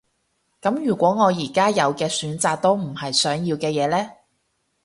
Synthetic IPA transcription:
kɐ˨˥mjyː˨˩kʷɔː˨˥ŋɔː˨˧jiː˨˩kaː˥jɐ˨˧wkɛː˧syː˨˥nt͡saː˧k̚t̪o˥wm̩˨˩hɐ˨jsœː˨˥ŋjiː˧wkɛː˧jɛː˨˧lɛː˥

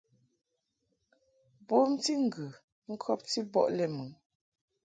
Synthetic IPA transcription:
bo˦m˦ti˦ŋ̩˨ɡʉ˨ | ŋ̩˦kʰɔ˦p̚ti˦bɔ̰˦˨ʔlɛ˨mʉ˨˦ŋ

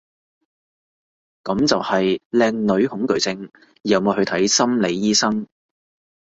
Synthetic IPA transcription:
kɐ˨˧˥mt͡sɐ˨whɐ˨jlɛː˧ŋlɵ˨˧ɥhʊ˨˥ŋkɵ˨˩ɥt͡sɪ˧ŋː˨ | ɐ˨˧wmɔː˨˧hɵ˧ɥt̪ʰɐ˨˥jsɐ˥mle˨˧jːiː˥sɐ˥ŋ

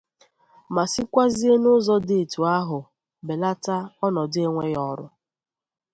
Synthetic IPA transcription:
ma˨si˦kʷa˦zi˦e˦nʊ˦zɔ˦de˨e˨tu˨a˦ɦʊ˨ | be˨la˦ta˦ɔ˦nɔ˨dɪ˦e˦ŋʷe˦jɔ˨ɾʊ̰˦

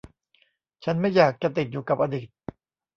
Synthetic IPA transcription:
t͡ɕʰa˦˥nma˥˩jːaː˨˩k̚t͡ɕa˨t̪i˨t̪̚juː˨˩ka˨˩p̚ʔa˧diː˨˩t̪̚

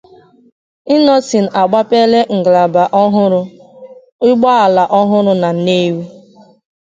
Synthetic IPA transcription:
ɪ˦nɔ˦si˨n̩˨ʔa˨ɡ͡ba˦pe˦le˦ŋ̩˨ɡla˨ba˨ʔɔ˦ɦʊ˦ɾʊ˦ | ɪ˦ɡ͡bɔ˦a˨la˨ʔɔ˦ɦʊ˦ɾʊ˦na˨˦ne˦wi˦

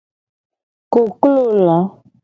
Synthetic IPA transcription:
ko˨klo˦la˨˦

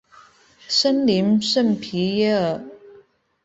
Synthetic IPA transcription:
ʂə˥nli˧˥nʂə˥˩npʰi˧˥jə˥˩

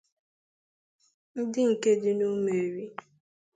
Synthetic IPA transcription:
n̩˦dɪ˦ŋ̩˨ke˦dɪ˦no˦me˨ɾi˦

